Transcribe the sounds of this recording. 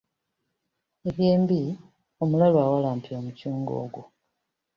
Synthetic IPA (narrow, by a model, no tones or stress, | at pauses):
e̞βje̞ːmbi | o̞mulalwaːwalaːmpio̞ːmucuːŋɡo̞̰ːɡwo